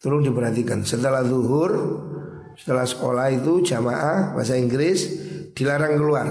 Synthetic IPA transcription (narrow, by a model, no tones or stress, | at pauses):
t̪ulʊŋdipəɾɦat̪ikansət̪əlaht̪uɦʊr | sə̥t̪əlahsə̥kolahit̪u̥d͡ʒamaʔahba̰s̬aiŋɡɾɪsd̥ilaɾaŋkəluar